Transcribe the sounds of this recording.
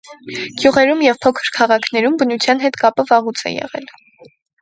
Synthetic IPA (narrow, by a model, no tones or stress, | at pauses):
ɡ̥juʁɛɾumjɛvpʰɔkʰə̥ɾkʰɑʁɑkʰnɛɾumbənut͡sʰjɑn̪ɦɛt̪kɑpəvɑʁut͡sʰɛ̰jɛ̰ʁɛ̰l